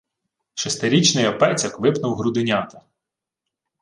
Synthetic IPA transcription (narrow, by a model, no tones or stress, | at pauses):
ʃɔst̪eɾʲit͡ʃnɪjɔpɛt͡sʲɐkʋɪpnɐwɦɾud̪ɪnʲɑt̪ɐ